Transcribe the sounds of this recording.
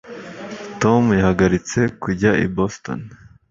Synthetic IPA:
to̞mjahaɡaɾit͡se̞kuɟaʔḭbosto̰n

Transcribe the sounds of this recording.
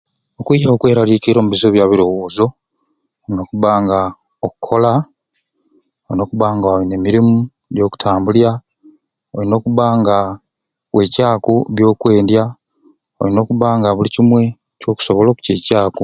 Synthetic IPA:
okwiaokwe̞ːɾalikiɾo̞ːmuβizoβjaːβiɾo̞wo̞ːzo̞ | ino̞ːkuβaːŋɡa | okukʰːo̞la | oɾino̞ːkuβaːŋɡaoine̞miɾimu | ɟo̞ːku̥tʰaːmbulja | oɾino̞ːkuβaːŋɡa | we̞caːkuβjo̞ːkwe̞ːndja | o̰ino̞ːkuβaːŋɡaβulicimwe̞ | co̞ːku̥soβolo̞ːku̥cecaːku

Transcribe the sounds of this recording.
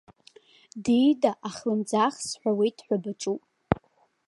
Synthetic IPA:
dijdaʔaχlɨmd͡zaχsħʷawijtʼʰħᶣʷabɨt͡ʃʼupʼ

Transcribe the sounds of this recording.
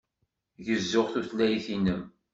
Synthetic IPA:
jəzːʊʁθuθlːæjiθinəm

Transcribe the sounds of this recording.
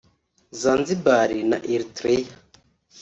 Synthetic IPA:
zaːnzibaɾina̰ʔiɾitɾeja

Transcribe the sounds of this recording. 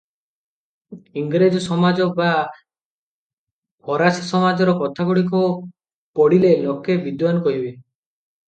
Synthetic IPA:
iŋɡɾed͡ʒɔsɔmad͡ʒɔba | bɔɾasɔsɔmad͡ʒɔɾɔkɔt̪ʰaɡuɽik̬ɔ | pɔɽilenɔkebid̪wankɔɦibe

